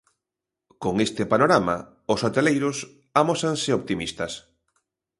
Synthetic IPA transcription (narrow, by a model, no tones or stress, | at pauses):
koŋest̪ɪpanoɾama̰ | ʊsot̪elejɾʊs | amosansɪop̚t̪imist̪ɐs